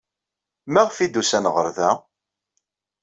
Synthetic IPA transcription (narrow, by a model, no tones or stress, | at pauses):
mæʁfid̪usænʁəɾðæ